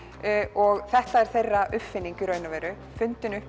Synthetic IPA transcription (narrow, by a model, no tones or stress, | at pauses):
ɔɣθɛht̪aɛɾ̥θejrːaʔʏpfɪnːiɲcʏɾœːɥnavɛːɾʏ | fʏnt̪ʏnʏhp